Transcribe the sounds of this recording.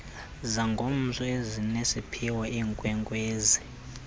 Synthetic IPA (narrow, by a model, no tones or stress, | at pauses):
zaŋɡʱon̩zɔezinesipʰiwɔiːŋkʼwɛŋɡweːzi